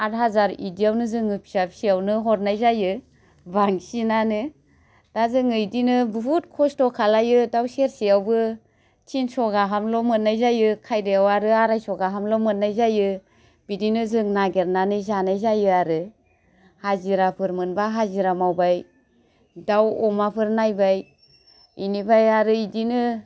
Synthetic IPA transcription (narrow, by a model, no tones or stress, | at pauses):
at̚ɦazaɾidijawnɯzɯŋɯpʰi̥sapsiawnɯɦɔɾnajzajɯ | baŋsinanɯ | d̥azɯŋɯjdinɯbɯɦut̚kʰɔstɔkʰalajɯdawseɾsijawbɯ | t͡ʃʰinsɔɡaɦamlɔmɯnːajzajɯkʰajdejawaɾɯaɾajsɔɡaɦamlɔmɯnːajzajɯ | bidinɯzɯŋnaɡeɾnanɯzanajzajɯaɾɯ | haziɾapʰɯɾmɯnbaɦaziɾamawbaj | dawɔmapʰɯɾnajbaj | inibajaɾɯidinɯ